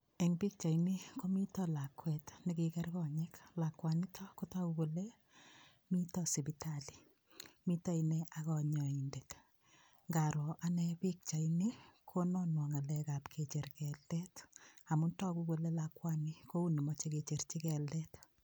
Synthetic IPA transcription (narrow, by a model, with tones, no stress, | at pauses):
eŋpi˦k̚t͡ʃa˨jni˦ko˦mi˦tɔla˨kwɛtnikikɛ˦rkɔ˨ɲeklakwanitʰɔ˦ko˦tɔ˦kuko˨le | mi˦tɔsi˨bitali̥˨ | mi˦ta˦ineakɔ˨ɲɔ˨indet | ŋɡa˨ɾo˨ʔa˦nɛpi˦k̚t͡ʃa˨inikʰo˦nɔ˦nwɔ˨ŋa˨lɛkapkʰet͡ʃe˨ɾkɛlːɛta˨mu˦ntɔ˦ku˦ko˨le˦lakwani˦ko˦u˦ni˨mɔt͡ʃeke˨t͡ʃe˨rt͡ʃi˦kɛ˨lːɛt